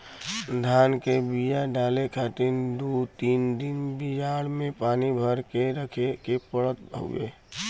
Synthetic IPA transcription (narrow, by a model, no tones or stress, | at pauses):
d̪ʱaːnkebijaɖalekʰat̪ind̪ut̪iːnd̪inbid͡ʒaɽmẽpaːnibʱəɾkeɾəkʰekepəɽət̪̚bʱo̰ḛ